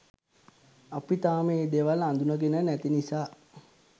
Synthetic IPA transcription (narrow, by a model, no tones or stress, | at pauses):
apit̪aːmeːd̪eʋaland̪unəɡenənɛt̪inisaː